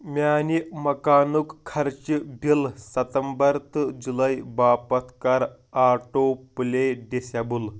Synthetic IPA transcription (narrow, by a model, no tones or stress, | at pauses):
manimɐkanukkʰːɐɾt͡ɕibʱilsət̪əmbəɾt̪ɨd͡zuləjbapət̪kaɾ | aʈoplejɖesabul